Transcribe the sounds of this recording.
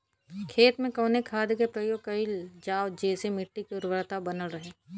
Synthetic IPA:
kʰeːt̪mẽkɔːnekʰaːd̪kepɾəjoːɡ̚kɐɪld͡ʒaːʋd͡ʒeːsemɪʈːikʊɾʋəɾt̪abɐnəlɾəɦeː

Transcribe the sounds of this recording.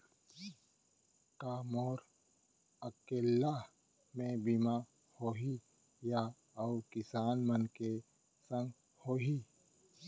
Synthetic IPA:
kaːmoːɾ | əkeːlːa | mẽbima | hoːɦi | ja | əkɪsaːnmənke | sə̃ŋɡ | hoːɦi

